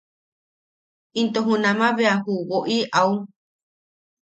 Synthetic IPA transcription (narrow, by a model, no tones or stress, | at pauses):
int̪oɦũnãmãβeaɦuβoʔiʔau